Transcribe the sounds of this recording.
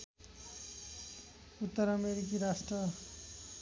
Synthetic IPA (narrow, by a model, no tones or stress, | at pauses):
ut̪ːʌɾʌmeɾik̬iɾasʈrʌ